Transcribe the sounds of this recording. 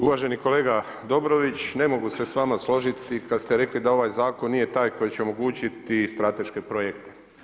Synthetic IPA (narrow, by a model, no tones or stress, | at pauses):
uʋaʒe̞niko̞le̞ːɡa | d̪o̞bɾo̞ʋit͡ɕne̞mo̞ɡuse̞sʋamaslˠo̞ʒit̪ikad̪st̪eɾe̞klid̪ao̞ʋajzaːko̞nːije̞t̪aːjko̞jit͡ɕeo̞mo̞ɡuːt͡ɕit̪ist̪ɾat̪e̞ʃke̞pɾojekt̪e̥